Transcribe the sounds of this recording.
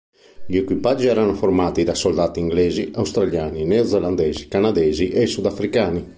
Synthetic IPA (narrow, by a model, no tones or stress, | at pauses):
ʎiɛkwipad͡ʒːiɛɾanofoɾmaːt̪id̪asold̪aːt̪iŋɡlɛːziawst̪ɾaljaːninɛod̪zɛland̪ɛːzikanad̪ɛːziʔɛsud̪afɾikaːni